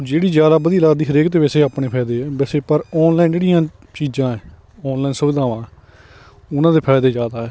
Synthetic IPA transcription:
d͡ʒeːɽiːd͡ʒjaːd̪aːbəd̪iːlaːd̪iːɦəɾeːkt̪ːʋɛːseːaːpɳeːpʰɛːd̪eːɛːbɛːseːpəɾɔːnlaːind͡ʒeːɽijãː | t͡ʃiːd͡ʒãːɛː | ɔːnlaːiːnsʊʋɪd̪aːʋãːɛː | ʊnãːd̪eːpʰɛːd̪eːd͡ʒaːd̪aːɦɛː

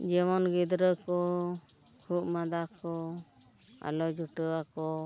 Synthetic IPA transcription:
d͡ʒɛmɔnɡid̪ɾəkɔ | hʰuʔ̚mad̪akɔ | a̰lɔd͡ʒuʈəakɔ

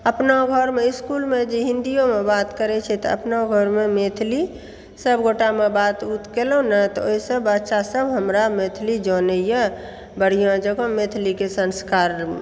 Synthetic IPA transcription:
əpnaɡʱɔɾmeɪskulmed͡ʒeɦĩnd̪ijomebat̪kəɾɛt͡ʃʰɛt̪ɔə̰pnaɡʱɔɾmemet̪ʰli | səbɡoʈamebat̪ut̪ʰkelonət̪ɔoisəbətːʃasəbɦəmɾamet̪ʰlid͡ʒɔnəjə | bəɽ̤ijãd͡ʒəɡomet̪ʰlikesənskaɾ

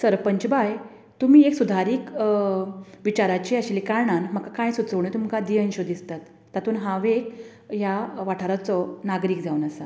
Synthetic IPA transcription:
səɾpəɲt͡ɕbaj | t̪um̤iːeksud̪ʱaɾiːk | ʋit͡ɕaɾat͡ɕeəɕlikaɾɳanməkakãjsut͡səʋɳət̪umkad̪iənɕod̪ist̪at̪ːat̪uːnɦãʋek | jaʋaʈʰaɾat͡sɔnaɡɾiːkd͡zaunəsa

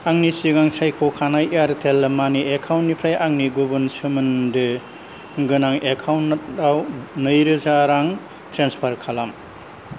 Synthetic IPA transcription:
aŋnisiɡaŋsajkʰɔkʰanajeaɾtʰelmaniekʰawnːipʰɾajaŋniɡubɯnsɯmɯndɯ | ɡɯnaŋekʰawnːtawnɯjɾɯzaɾaŋ | tʰɾenspʰaɾkʰalam

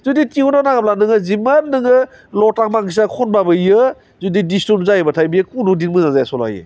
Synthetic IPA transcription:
zuditiunanaɡap̚lanɯŋɯzimanːɯŋɯ | lɔtak̚maŋis̬akʰɔnbabɯjɯ | zudidistɔnzajbatʰajbijekunudinmɯzazajasɔla̰jḛ

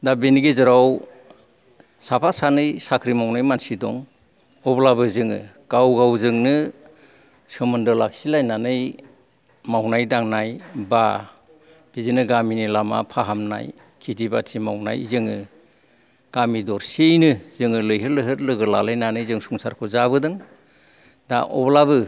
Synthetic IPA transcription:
dabeniɡizɯɾaw | sapʰasanɯjsakʰɾimawnajmansidɔŋ | ɔblaβɯzɯŋɯ̰ | ɡ̥awɡawzɯŋnɯ | sɯmɯndɯlak̚silajnanɯj | mawnajdaŋnajba | b̥izinɯɡaminilama̰pʰaɦamna̰j | kʰitibatʰimawna̰jzɯŋɯ | ɡ̥amidɔɾsejnɯz̥ɯŋɯlɯjɦɯlɯɦɯɾlɯɡɯlalajnanɯjzɯŋsuŋsaɾkʰɔzaβɯdɯŋ | da̰ʔɔ̰blabɯ

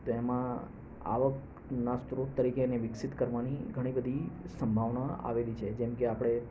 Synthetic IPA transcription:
t̪ɛmã | a̰ʋək | nast̪ɾot̪ːəɾikeneʋɪksit̪kəɾʋaniɡʱəɽ̃ibəd̪ʱisəmbʱaʋɳaa̰ʋelit͡ʃʰed͡ʒɛmkeapɽ̃e

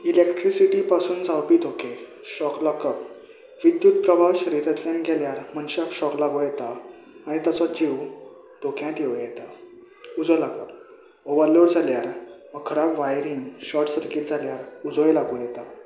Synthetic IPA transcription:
ilekʈɾisiʈipasuːnd͡zʱawpiːt̪oke | ɕɔklɔkəp | ʋid̪jut̪̚pɾəbaɕəɾiɾat̪jãnɡʱeljaɾm̤əɳɕakɕɔklaɡojɛt̪aː | ɽ̃it̪at͡sɔd͡ʑiw | t̪okʰjãt̪jeʋjɛt̪a | ud͡zɔlakəp̚ | oʋəɾloɽd͡zʱaljaɾʋəkʰːəɾabʋajɾiːŋɡɕɔʈsəɾkiːt̪d͡zʱaljaɾud͡zɔjlaɡujɛt̪a

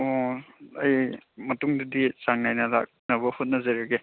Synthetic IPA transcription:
oɐjmɐtuŋdɐdisaŋnajnɐla̰k̚nɐβɐhut̚nɐzɐɾɐɡe

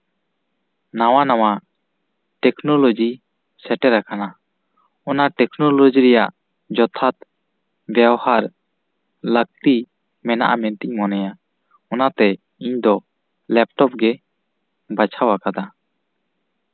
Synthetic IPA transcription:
nawanawa | ʈɛknɔlod͡ʒi | sɛʈɛɾakana | ɔnaʈɛknɔlod͡ʒiɾɛjaʔ | d͡ʒɔt̪ʰat̪ | bjabɔhaɾ | lək̚t̪i | mɛna̰ʔa̰mɛnt̪ic̚mɔnɛja | ɔnat̪ɛ | iɲd̪ɔ | lɛp̚ʈɔp̚ɡɛ | bat͡ʃʰawakad̪a

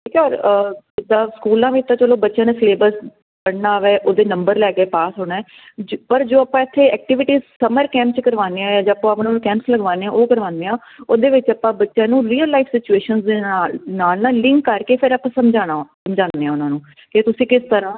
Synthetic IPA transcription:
ʈʰiːkaːɾəd̪aːskuːlãːʋiːt̪ːãːt͡ʃəloːbətːʃãːnẽːfleːbəɾs | bəɽnaːʋɛːʔoːd̪eːnəmbəɾlɛːkeːpaːsɦoːɽaːɛː | d͡ʒpəɾd͡ʒoːəpãːɪt̪ʰːeːɛːk̚ʈɪʋɪʈiːzsəməɾkɛ̃ːmpt͡ʃkəɾʋaːneãːãːd͡ʒ̃ːəpãːəpnːkɛ̃ːmpsləɡʋaːneːãːʔoːkəɾʋãːnd̪eːãː | oːd̪eːʋɪt͡ʃəpːãːbətːʃjãːnũːɾiːəlːaɪfʰsɪt͡ʃueːʃənsd̪eːnaːlnaːlɪ̃ŋkːəɾkeːpʰɪɾəpãːsəmd͡ʒaːnaːsəmd͡ʒãːnd̪eːãːʊnãːnũː | kɪt̪ʊsĩːkɪst̪əɾãː

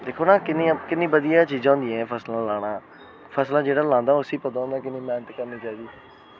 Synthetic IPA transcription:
d̪eːkʰoːnaːkɪnːĩkɪnːĩːbəd̪ijaːt͡ʃiːd͡ʒãːnd̪ĩɛːpʰəslãːlaːɽ̃aː | pʰəslãːd͡ʒeːɽaːlãːnd̪aːʊsiːpət̪̬ãːõːnd̪aːkɪnĩːmɛ̃ːnət̪kəɾniːt͡ʃaːiːd̪iː

